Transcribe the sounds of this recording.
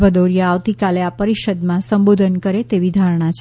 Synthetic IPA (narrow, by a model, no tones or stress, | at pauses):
ʋəd̪oɾijaaʋt̪ikaleapəɾiʃəd̪mãsəmbod̪ʱənkəɾet̪eʋid̪ʱaɾɳ̃at͡ʃʰ